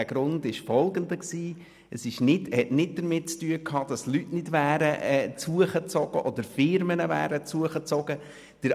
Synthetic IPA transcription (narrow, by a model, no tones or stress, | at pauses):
æɡ̥ɾʊndɪʃfɔlˠɡəndəksiː | əsɪʃnɪdhɛtnɪt̚d̥əɾmɪt̚t͡styːəkʰhɑːd̥ɑslytnɪdvæːɾəɛːt͡suəχət͡sɔɡ̥əʔɔdəɾfɪɾmənəvæ̰ːɾət͡suəχət͡sɔɡ̥ə | d̥əɾ